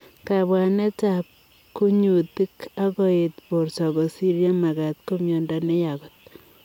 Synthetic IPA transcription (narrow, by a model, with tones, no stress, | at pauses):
ka˨bwa˨ne˦t͡ʃap̚ | ku˦ɲu˨ti˦ka˦kɔ˦e˨t̪po˨ɾsɔ˨ko˨si˦ɾja˦ma˨ɡa˨t̪ko˦mjɔ˨ndane˦ja˨kɔ˨t̪̚